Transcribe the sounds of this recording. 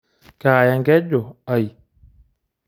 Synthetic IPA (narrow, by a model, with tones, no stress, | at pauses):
kaː˨ja˨ŋɡɛ˦d͡ʒo˨a˨i˨